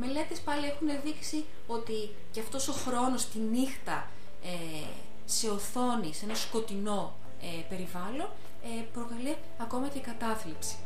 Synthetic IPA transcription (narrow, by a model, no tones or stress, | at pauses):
me̞le̞t̪espɐlie̞xune̞ðiksi | o̞t̪i | ceɐft̪o̞so̞xɾo̞no̞st̪inixt̪ɐ | e | se̞oθo̞nise̞nɐsko̞t̪ino̞ | epe̞ɾivɐlo̞n | epɾo̞kɐli | ɐko̞mɐcekɐt̪ɐθlipsi̥